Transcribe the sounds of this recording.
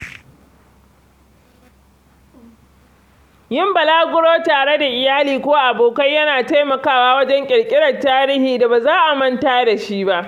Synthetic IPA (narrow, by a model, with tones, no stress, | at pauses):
jɪ˦mbɐ˨laː˦ɡʷʊ˦ɽoː˦taː˨ɽe˦da˨ʔɪ˨jaː˦liː˨kʷoː˦ʔa˨boː˨kɐ˦jɐ˦naː˨ta˦jmɐ˨kaː˦waː˦wɐ˦d͡ʒɛ˦ŋkʲʼɪ˨ɽkʲʼɪ˦ɽɐ˨taː˦ɾɪ˦hiː˨da˨baː˨zaː˦ʔa˨mɐ˦ntaː˦da˨ʃi˦ba˦ʔ